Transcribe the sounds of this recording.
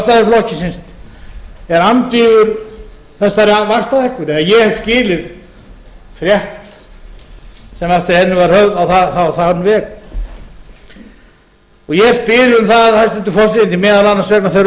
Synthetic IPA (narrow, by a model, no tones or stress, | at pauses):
st̪aðɪɾflɔhcɪsɪnst̪ | ɛɾant̪iːvʏɾ | θɛsːaɾavast̪aðɛhkːʏɾɛɣajɛhɛv̥scɪːlɪð | fɾjɛht̪ | sɛmɛft̪ɪɾ̥hɛnːʏvaɾ̥hœɣðawθaθaθanvɛːk | ɔɣjɛ̥spɪɾʏmθaððhast̪ɪnt̪ʏfɔsɪɪnimɛːðalanːasvɛknaθeɾ